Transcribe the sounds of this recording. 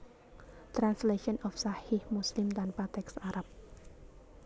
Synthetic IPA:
t̪ɾansleʃɔnʔɔfsahɪhmuslɪmd̪anpat̪ɛksʔaɾap̚

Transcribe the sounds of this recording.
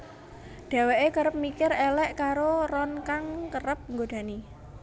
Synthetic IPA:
ɖ̥a̤weʔekəɾəp̚mikɪɾelɛʔkaɾorɔnkaŋkəɾəp̚ŋɡoɖ̥a̤ni

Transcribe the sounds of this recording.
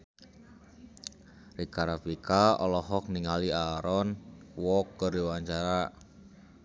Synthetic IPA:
rikaɾapikaɔlɔɦɔk̚niŋaliaɾɔnwɔkːərdiwaɲt͡ʃaɾa

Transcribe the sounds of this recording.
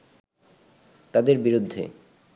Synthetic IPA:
t̪ad̪eɾbiɾud̪ʱːḛ

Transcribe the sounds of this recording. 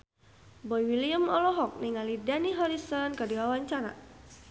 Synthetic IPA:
bɔiwiliəmɔlɔɦɔk̚niŋalidaniɦɔɾisɔnkadiwawaɲt͡ʃana̰

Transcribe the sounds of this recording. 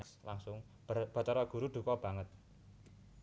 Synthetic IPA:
kslaŋsʊŋ | b̥a̤t͡ʃɔɾɔɡ̥ṳɾuɖ̪̥ṳkɔb̥ä̤ŋət̪̚

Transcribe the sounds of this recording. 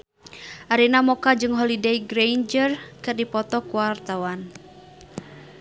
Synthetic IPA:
ʔaɾinamɔkad͡ʒɨŋɦɔlidejɡɾend͡ʒərkɨrdipɔt̪ɔkuwart̪awan

